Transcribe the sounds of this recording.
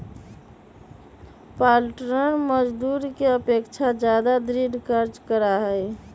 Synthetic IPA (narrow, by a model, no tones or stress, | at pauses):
palʈɾənməd͡ʒd̪uɾkeəpekt͡ʃʰad͡ʒad̪ad̪ɾiɖkəɾd͡ʒkəɾaɦəj